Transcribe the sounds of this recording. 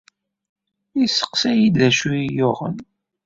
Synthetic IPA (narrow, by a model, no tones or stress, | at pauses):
isə̥qsæjid̪æʃujijʊʁə̰n